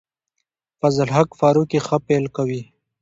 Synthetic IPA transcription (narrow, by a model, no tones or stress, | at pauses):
fɐzəlɦakfaːɾukixapelkawi